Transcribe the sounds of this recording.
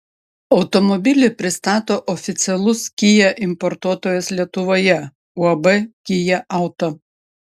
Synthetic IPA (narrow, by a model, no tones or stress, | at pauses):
ɒʊt̪ɔmɔbʲɪlʲɪpʲɾʲɪst̪ɑːt̪oːʔɔfʲɪt̪sʲɛlˠʊskʲɪjɛʔɪmpɔɾt̪uɔt̪oːjɛslʲiɛt̪ʊʋoːjɛ | uɐbɛkʲɪjɛʔɑˑʊt̪o